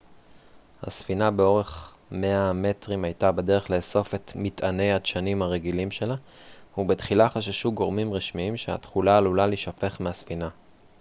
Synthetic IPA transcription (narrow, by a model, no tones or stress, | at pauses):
ha̰sfinabeo̞ʁe̞χ | me̞ame̞tʁimajtabede̞ʁe̞χle̞ːso̞fe̞tmitane̞jaʃanimaʁeɡilimʃe̞la | hubetχilaχaʃaʃuɡo̞ʁmimʁiʃmiimʃea̰tχulaːlulaliʃafe̞χmeasfina